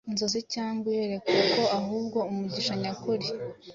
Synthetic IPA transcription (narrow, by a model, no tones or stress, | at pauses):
inzo̞zicaːŋɡwejeɾe̞keko̞aɦuːbɡo̞umuɟiʃaɲakuɾi